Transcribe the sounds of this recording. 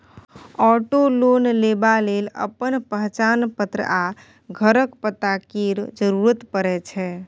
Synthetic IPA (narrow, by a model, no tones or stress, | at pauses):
ɔʈolonlebalelə̰pənpəɦt͡ʃanpət̪ɾə̰a | ɡʱəɾəkpət̪akiɾd͡ʒəɾuɾət̪pəɾɛt͡ʃʰɛ